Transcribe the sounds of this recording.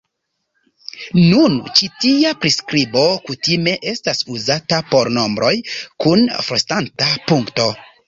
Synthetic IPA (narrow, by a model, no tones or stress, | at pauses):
nunt͡ʃitiapɾiskɾibo̞kutime̞ʔe̞stasuzatapo̞ɾno̞mbɾʔo̞jkunfɾostantapuŋkto̞